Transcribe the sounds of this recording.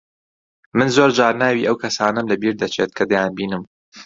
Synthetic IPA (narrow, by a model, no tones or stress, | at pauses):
mɨnzoːɾd͡ʒaːɾnaːwiːʔɐwkʰɐsaːnɐmlɐbiːɾd̪ɐt͡ʃʰeːt̪̚kʰɐd̪ɐjaːnbiːnɨm